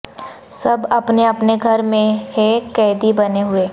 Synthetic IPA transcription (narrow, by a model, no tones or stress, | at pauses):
sɐbɐpneɐpneɡʱɐɾmẽɦekɛːd̪ibɐneɦʊeː